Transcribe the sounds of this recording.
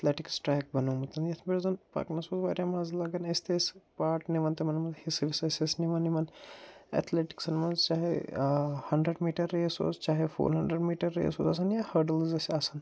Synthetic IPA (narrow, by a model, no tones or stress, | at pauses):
et̪ʰleːʈiksʈɾɛːk̚bɐnoːmɐt̪ɐnjɐt̪ʰbeɾzɐnpɐ̰knɐsoːzʋaːɾʲjamaːzlɐɡɐnɐst̪espaːʈniʋɐnt̪emɐnimɐnzhisiʋisesesniʋɐnimɐnɛ̰t̪ʰleːʈi̥ksɐnmɐnzt͡ʃaːɦḛ | hɐɳɖɾeɖmiːʈɐɾːeːso̰ːzt͡ʃaːɦefʰo̰ːɾɦɐɳɖɾeɖmiːʈɐɾːḛːso̰ːzɐs̬ɐnjahɐɖəlzɐsasɐn